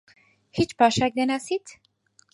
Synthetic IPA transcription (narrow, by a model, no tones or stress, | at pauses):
hit͡ʃʰpɑʃɛk̚d̪ɛnasit̪ʰ